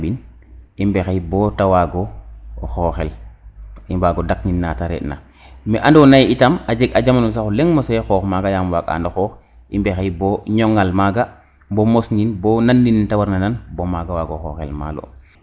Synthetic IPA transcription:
bin | imbexejbɔtawaɡɔxɔːxɛl | imbaɡɔdakninːataɾɛ̰tna̰ | mɛʔandonajitamad͡ʒeɡad͡ʒamanus̬axulɛŋmosɛxɔːxmaɡajamwa̰ka̰ndoxɔːx | imbɛxejbɔɲɔŋalmaːɡa | mbɔmosninbɔnanːinntawaɾnananbɔmaɡawaɡɔxɔ̰xɛ̰lma̰ːlo̰

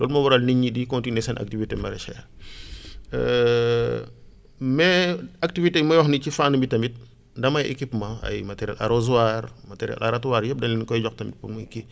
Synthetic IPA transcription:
dɔlmɐbɔɾalniɲːidikɔntinesɐnʔa̰k̚tivitemɐɾɛʃɛ̰a̰ | mɛak̚tivitemɐjɔxnicifaːnɐmbitɐmit̚ | dɐmɐjḛkipmɐɐ̰jmɐteɾija̰lʔɐ̰ɾozwarmɐteɾijɐ̰lʔaɾatwaɾjɐp̚dɐnlinkɔjɟɔxtɐmit̚pulmuikːi

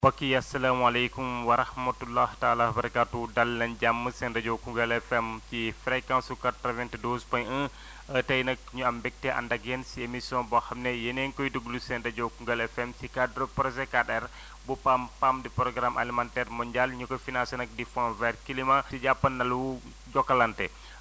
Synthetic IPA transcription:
wɐkiɐsːɐlaːmɐlejkumwɐɾɐhmɐtulːahtaːlahbɐɾɐkaːtudalːɐnd͡ʒamːəsɛndɐd͡ʒɔwkuŋɡɐlɛfɛmt͡ʃifɾɛkãsukatɾɐvɛntdospɔɲə̃ | ətɐjnɐk̚ɲuɐmbɛk̚tɛʔɐ̰ndɐɡjɛnsiemisɔ̃nbɔxɐmnɛjɛnɛŋkɔjduɡulusɛndɐɟɔwkuŋɡɐlɛfɛmsikadɾɔpɾɔzɛkadɛɾ | bupampamdipɾɔɡɾamʔɐ̰limantɛɾmɔɲɟalɲukɔfinansɛnɐk̚difɔ̃vɛɾkilimasiɟapːɐnːɐlwu | ɟɔkːɐlɐntɛ

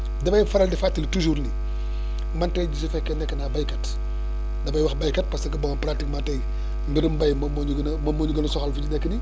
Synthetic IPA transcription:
dɐbɐjfɐɾɐldifatːilituʃuːɾni | mɐntɛjɟus̬ufɛkːɛnːɛkːɐnabɐjkɐt | dɐbɐjwɐxbɐjkɐt̚pɐsɐɡɐbɔŋɐpɾatik̚mɐtɐj | mbiɾumbɐjmɐmoɲuɡnɐmɐmoɲuɡɐnɐsɔxɐlfidinɛkːəni

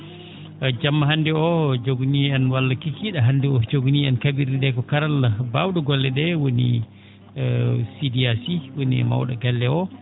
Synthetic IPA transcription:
d͡ʒamːaɦandɛɔd͡ʒoɡuniɛnwalːakikiɗaɦandɛɔd͡ʒoɡuniɛnkabiɾidɛkɔkaɾalːabawɗɔɡɔlːɛɗɛwonḭ | sidiasiwonḭma̰wɗaɡalːɛɔ

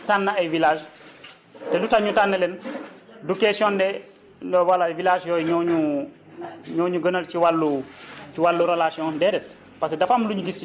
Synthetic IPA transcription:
tanːɐɐjvilaːʒ | tɛlutaɲutanːɐlɛndukɛsiɔndɛ | walavilaːʃjɔːjɲɔːɲu | ɲɔːɲuɡənɐlciwalːuciwalːuɾɔlasiɔ̃ndɛdɛt̚ | pɐsdɐfɐmluɲuɡis

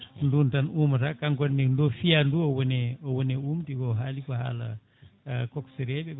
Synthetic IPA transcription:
nduntanuːmaɾakaŋkɔnːindofianduɔwənɛɔwənɛuːmtikɔɦalikaɦa̰la̰ | kɔkseɾɛbɛ

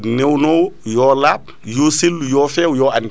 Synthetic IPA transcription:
nɛwnɔːwjɔːlaːp̚ | joːsiljɔːfɛwjɔːani

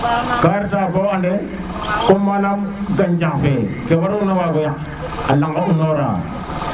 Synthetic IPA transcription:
kaɾtakoande | komːalamɡaɲd͡ʒaŋfe | kewaɾunːawaɡoja | alaŋaunoɾa̰

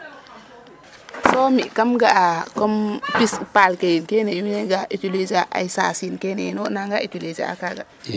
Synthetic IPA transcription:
sɔmikamɡaʔakɔmpispalkeinkɛnɛminɛɡaʔituled͡ʒaʔa̰jsa̰sinkɛnɛnɔnaŋɡaituled͡ʒa̰a̰kaɡa̰

